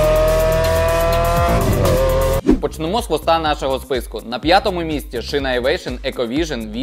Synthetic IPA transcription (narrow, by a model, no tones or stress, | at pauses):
pɔt͡ʃnemɔsˠɔst̪ɑnɑʃɔɦɔspɪskʊnɐpʲjat̪ɔmʊmʲisʲtʲiʃɪnɐjʋɛjʃɪnɛkɔʋʲiʒɐnʋʲi